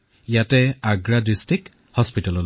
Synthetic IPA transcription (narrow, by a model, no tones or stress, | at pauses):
ijatɛaɡɹadistik | hɔspitɔlɔl